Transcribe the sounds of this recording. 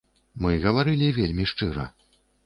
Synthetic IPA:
mɨɣɐvaɾɨlʲivʲelʲmʲiʂt͡ʂɨɾɐ̰

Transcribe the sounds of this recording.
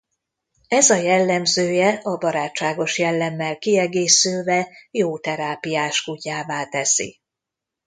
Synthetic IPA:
ɛzɒjɛlːɛmzøːjɛʔɒbɒɾaːt͡ʃt͡ʃːaːɡo̞ʃjɛlːɛmːɛlkiɛɡeːsylvɛjoːt̪ɛɾaːpijaːʃkucaːvaːt̪ɛsḭ

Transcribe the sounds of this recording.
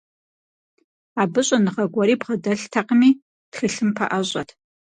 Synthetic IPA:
aːbɨɕʼɐnɨʁɐɡʷɐɾiːbʁɐdɐɬtʰɐqəmiː | txɨɬɨmpʰɐ̰ʔɐʑʼɐtʰ

